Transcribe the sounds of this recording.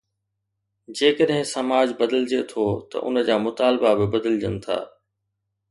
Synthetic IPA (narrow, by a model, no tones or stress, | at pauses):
d͡ʑeːkəɗɦɪ̃sɐmaːd͡ʑbɐd̪əld͡ʑet̪ʰoːt̪ɐ̰ʔʊ̰nə̆d͡ʑaːmʊt̪aːlbabɪbɐd̪əld͡ʑənɪ̆t̪ʰa̰ː